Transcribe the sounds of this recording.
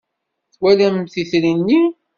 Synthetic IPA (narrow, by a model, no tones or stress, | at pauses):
θwælæmθiθɾinːi